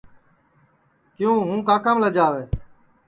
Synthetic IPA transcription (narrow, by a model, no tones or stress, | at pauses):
kɪjũːɦũːkaːkəmləd͡ʒaːʋeː